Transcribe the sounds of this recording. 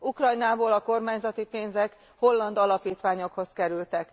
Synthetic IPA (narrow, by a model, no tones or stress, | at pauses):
ukrɒjnaːboːlɒko̞rmaːɲzɒt̪ipeːnzɛk | ho̞lːɒnd̪ɒlɒpiːt̪ʋaːɲo̞kho̞skɛɾylt̪ɛk